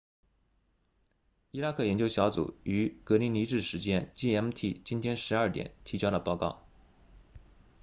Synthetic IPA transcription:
i˥la˥kʰɤ˥˩jɛ˧˥nt͡ɕjo˥ʊɕjɑ˧˥ʊt͡sṵ˨˩˦y˧˥kɤ˧˥li˧˥ni˧˥ʈ͡ʂɻ̩˥˩ʂɻ̩˧˥t͡ɕjɛ˥nt͡ɕi˥˩ɛ˧˥m˧t̪ʰi˥˩t͡ɕi˥nt̪ʰjɛ˥nʂɻ̩˧˥ɐ˞˥˩t̪jɛ̰˨˩˦nt̪ʰi˧˥t͡ɕjʊlə˨pɑ˥˧ʊkɑ˥˩ʊ

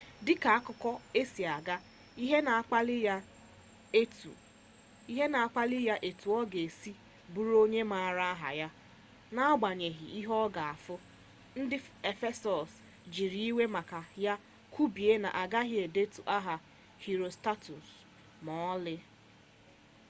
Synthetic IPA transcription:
dɪ˦ka˨a˦kʊ˦kɔ˦e˦si˨a˨ɡa˦ | i˦ɦe˦na˨a˦lɪ˦j | e˦tu˨ | i˦ɦe˦na˨a˦˨k͡pa˦lɪ˦ja˦ʔe˨tu˨ɔ˦ɡe˨si˦ | bu˨˦ɾo˦ɲe˦ma˦˨ɾa˦a˦ɦa̰˨ja˦ | na˦a˦ɡ͡ba˨ɲe˨ɦḭ˨ʔi˦ɦɔ˦ɡa˨a˨fʊ˦ | n̩˦dɪ˦e˨fe˦sɔ˨s | d͡ʒi˨ɾi˦i˦we˦ma˨ka˨ja˦ | kʰu˦bi˨e˦na̰˨ʔa˨ɡa˦ɦɪ˦e˨de˦tu˨ʔa˦ɦa˨ | hi˨ɾo˨sta˦tu˨s | mɔ˨˦lɪ˦

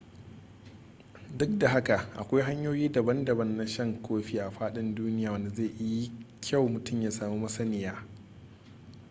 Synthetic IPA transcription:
dʊ˦k̚da˨ɦa˦ka˨ʔa̰˨kʷa˦jɦa˦ɲjoː˦jiː˦dɐ˨bɐ˦ndɐ˨bɐ˦nːa˦ʃɐ˦˨ŋkʷʰoː˦ɸiː˦ʔa˨ɸaː˦ɗɪ˦nduː˦nɪ˦jaː˨wɐ˦nda˨zeː˦˨ʔɪ˦ji˦kʲʰa˦˨wmʊ˨tʊ˦˨mjaː˦saː˨mu˦mɐ˦sɐ˦nɪ˨jaː˦

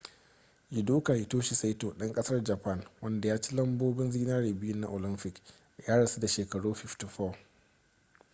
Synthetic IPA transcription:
jɪ˨duː˦kaː˨hɪ˨toː˦ʃi˨sa˦jtoː˨ɗɐ˦ŋkʼɐ˦sɐ˦rd͡ʒɐ˨pɐ˦˨nwɐ˦nda˨jaː˦t͡ʃi˦lɐ˦mboː˦bɪ˦nziː˦naː˦ɽeː˨bɪ˦jʊ˦nːa̰˦ʔo˨lɪ˦mpɪ˨k | jaː˦ɽɐ˨se˦da˨ʃeː˨kɐ˨ɽuː˦ɸɪ˦fti˨fɔː˦˨

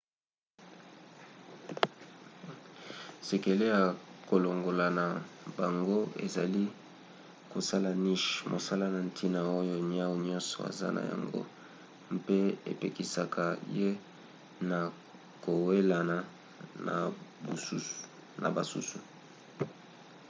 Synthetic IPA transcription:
se˨ke˨le˦a˨ko˨lo˨ŋɡo˨la˨na˨ba˨ŋɡo˦ḛ˨za˨li˦ | ko˨sa˦la˨ni˦ʃmʔo̰˨sa˦la˦na˨n˦tʰi˦na˨o˦jo˦ɲi˦a˦wu˦ɲɔ˦nsɔ̰˨a̰˨za̰˦na̰˨ja̰˨ŋɡo̰˦ | m˦pe˦ḛ˨pe˨ki˨sa˨kʰa˨je˦ | na˨ | ko˨we˦la˨na˨ | na̰˨bu˨˦ | na̰˨ba˨sṵ˦su˨

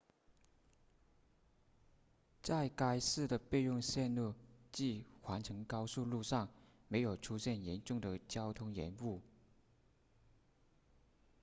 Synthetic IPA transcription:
t͡sa˥˩ɪka˥ɪsɹ̩˥˩d̪ə˩pe˥˧ɪɻʊ˥˧ŋɕjɛ˥˧nlu˥˩t͡ɕi˥˩xwa˧˥nʈ͡ʂʰɤ˧˥ŋkɑ˥ʊsu˥˧lu˥˧ʂɑ˥˩ŋme˧˥ɪjo˨˩ʊʈ͡ʂʰu˥ɕjɛ˥˩njɛ˧˥nʈ͡ʂʊ˥˩ŋd̪ə˩t͡ɕjɑ˥ʊt̪ʰʊ˥ŋjɛ̰˧˥nu˥˩

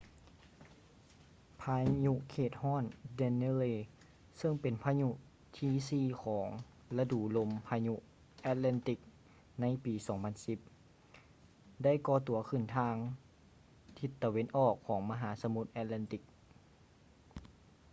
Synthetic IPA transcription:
pʰaː˧ɲu˧ʔkʰeː˧˩t̪̚hɔː˥˩˨ndɛ˧ne˧leː˧˩ | sɤ˧˩˨ŋpe˨npʰaː˧ɲu˧ʔ | t̪ʰiː˧siː˧˩kʰɔː˩˦ŋ | la˧duː˨˩lo˧mpʰaː˧ɲu˧ʔ | ʔɛː˧t̪̚lɛ˧˨nt̪i˧˩k̚ | na˧˥jpiː˨˦sɔː˩˦ŋpʰa˧˥nsi˧˦p̚ | da˥˩˨jkɔː˧˦t̪u˨˦ɐkʰɯ˧˩nt̪ʰaː˧ŋ | t̪ʰi˧˦t̪ːa˧we˧˥nʔɔː˧˩kʰːɔː˩˦ŋma˧ɦaː˩˦sa˧˦mu˧˦t̪̚ʔɛː˧t̪̚lɛ˧nt̪i˧˦k̚

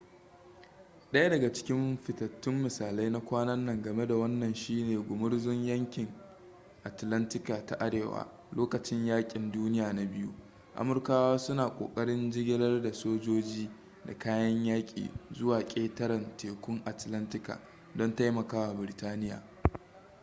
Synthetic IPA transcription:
ɗɐ˦ja˦dɐ˨ɡa˨t͡ʃɪ̥˦kʲɪ˦mɸɪ˨tɐ˨tːɪ˦mːɪ˨saː˨la˦jna˦kʷaː˦nɐ˦nːɐ˨ŋɡɐ˨me˦da˨wɐ˦nːɐ˨nʃiː˦neː˨ɡʷʊ˨mʊ˦ɽzʊ˦ɲjɐ˦ŋkʲɪ˨ŋ | ʔa˨tlɐ˦ntɪ˦ka˨ta˨ʔa˦ɽeː˨wa̰ː˦ | loː˦kɐ˨t͡ʃɪ˦ɲjaː˦kʲʼɪ˨nduː˦nɪ˦jaː˨na˨bɪ˦jṵ˦ | ʔa̰˨mʊ˨rkaː˦waː˦sʊ˦naː˨kʷʼo̰ː˨kʼɐ˦ɽɪ˦nd͡ʒɪ˦ɡʲɪ˦lɐ˦rda˨soː˦d͡ʒoː˦d͡ʒiː˦ | da̰˨kaː˦jɐ˦ɲjaː˦kʲʼḭː˨zʊ˦waː˨kʲʼeː˦tɐ˦ɾɐ˨nteː˨kʷʊ˦ŋʔa˨tlɐ˦ntɪ˦ka̰ː˨ | dɔ˦nta˦jmɐ˨kaː˦wa˨bɪ˨ɾɪ˨taː˦nɪ˦ja̰ː˨

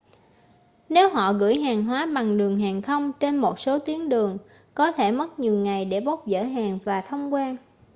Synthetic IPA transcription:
ne˨˦wɦɔ̰˧˨ɣɨ̰˧˥jɦaː˨˩ŋɦwaː˨˦ɓa˨˩ŋɗɨ˨˩əŋɦaː˨˩ŋxə˧wŋ͡mt͡ɕe˧nmo˨˩t̚so˨˦t̪i˨˦əŋɗɨ˨˩əŋ | kɔ˨˦t̪ʰe˧˩mə˦˥t̚ɲi˨˩əwŋa˨˩jɗe˧˩ɓə˦˥wk͡p̚zə̰ː˧˥ɦaː˨˩ŋvaː˨˩t̪ʰə˧wŋ͡mkwaː˧n

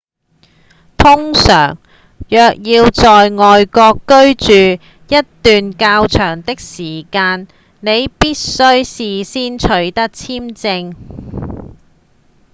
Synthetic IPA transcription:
t̪ʰʊ˥ŋsœ̰ː˨˩ŋ | jœː˨˧k̚jiː˧wt͡sɔː˨jŋɔː˨jkɔː˧kːɵ˥ɥt͡ʃyː˨ | jɐ˥t̚t̪yː˨nkaː˧wt͡ʃʰœː˨˩ŋt̪ɪ˥k̚siː˨˩kaː˧n | ne˨˧jpiː˥t̚sɵ˥ɥsiː˨siː˥nt͡ʃʰɵ˨˥ɥt̪ɐ˥k̚t͡sʰiː˥mt͡sɪ˧ŋ

